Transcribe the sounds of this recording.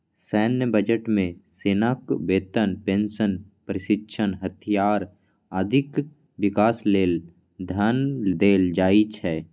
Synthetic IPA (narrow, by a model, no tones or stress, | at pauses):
sɛːnjəbəd͡ʒəʈmẽseːnaːkbeːt̪ənpẽnsənpɾɪʃɪtːʃʰənɦət̪ʰijaːɾ | əd̪ʱɪk | ʋɪkaːsleːl | d̪ʱandeːld͡ʒaːit͡ʃʰɛː